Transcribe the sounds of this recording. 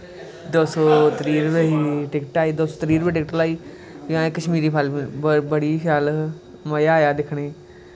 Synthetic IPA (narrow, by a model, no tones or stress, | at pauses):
d̪oːsoːt̪əɾiːɾʋeiʈɪkʈaːiːd̪oːsoːt̪ɾiːɾbeːʈɪkʈlaːiː | jãːekːəʃmiːɾiːpʰəlibəɽiːkʰjaːl | məjaːjaːd̪ɪkʰɽeː